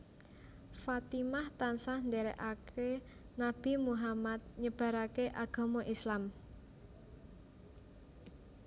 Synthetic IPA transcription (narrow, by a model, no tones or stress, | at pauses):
fat̪imaht̪ansahnd̪ɛɾɛ̰ʔakʰe | nab̥i̤muɦamat̪̚ɲəb̥a̤ɾakeʔaɡ̥a̤mɔʔislam